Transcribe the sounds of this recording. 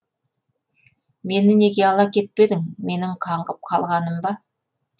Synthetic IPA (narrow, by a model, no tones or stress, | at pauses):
me̞nɪne̞ɡʲe̞ɑlˠɑkʲʰe̞t̪̚pe̞d̪ɪŋme̞nɪŋqʰɑɴʁəp̚qʰɑlˠʁɑnəmbɑ